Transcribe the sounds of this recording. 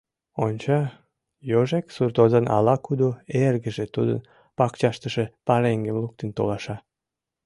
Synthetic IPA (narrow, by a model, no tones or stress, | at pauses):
onʲt͡ɕɑ | joʒeksurt̪ozənɑ̰lɑkud̪oerɣəʒet̪ud̪ə̰n | pɑkt͡ɕɑʃt̪əʃepɑɾeŋɡemluk̚t̪ent̪olɑʃɑ